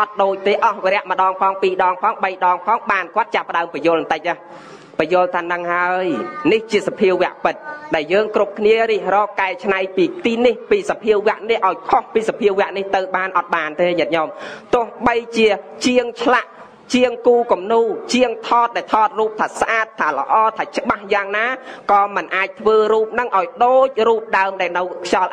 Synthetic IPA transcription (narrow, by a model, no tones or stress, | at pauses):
ʔɑt̪̚ɗoːc̚t̪eːʔɑhʋeɾɛ̆əʔməɗɑːŋpʰɑːŋpiːɗɑːŋpʰɑːŋɓəjɗɑːŋpʰɑːŋɓaːnkŏət̪̚t͡ɕapːə̆ɗaəmpɛjʊ̆əlnt̪əc̚ʔaːh | pəjʊəlt̪ʰaːnɨŋhaəjniht͡ɕiəsapʰiəwʋɛ̆əʔpɨt̪̚ɗaɛljəːŋkrup̚kʰniəɾiːhrɔːkaɛt͡ɕʰnajpiːt̪iːnihpiːsapʰiəwːĕəʔnihʔaɔjkʰohpiːsapʰiəwʋɛ̆əʔniht̪ɨwɓaːnʔɑt̪̚ɓaːnt̪eːɲət̪̚ɲɑmt̪ʊ̆əhɓəjt͡ɕiət͡ɕiəŋt͡ɕʰlaʔ | t͡ɕiəŋkuːkumnuːt͡ɕiəŋt̪ʰɑːt̪̚ɗaɛlt̪ʰɑːt̪̚ruːp̚t̪ʰaːsʔaːt̪ʰːaːlə̰̆ʔɑːt̪ʰaːt͡ɕə̆ɓahjaːŋnaːkɑːmɨnʔaːc̚t̪ʰʋəːɾuːp̚nɨŋʔaɔjɗoːc̚ruːp̚ɗaəmɗaɛlnɨwkʰjɑl